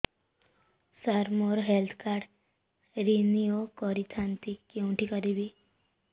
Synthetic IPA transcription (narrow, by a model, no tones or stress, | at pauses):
saɾmoɾɦelt̪ʰkaɾɖ | ɾiniokɔɾit̪ʰant̪ikːeuɳʈʰikəɾibi